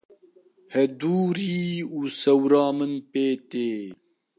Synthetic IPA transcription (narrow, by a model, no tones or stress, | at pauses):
hɛd̪uːɾiːuːsɛwɾɑːmɨnpeːt̪eː